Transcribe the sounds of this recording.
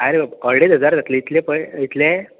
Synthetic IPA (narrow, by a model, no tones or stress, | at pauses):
aɾebbəɽet̪ɦəd͡zaɾd͡zat̪leit̪lepəit̪lẽ